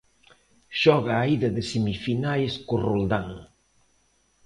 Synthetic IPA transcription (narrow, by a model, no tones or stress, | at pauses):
ʃɔɣaːiðɐðɪsemifinajskorold̪aŋ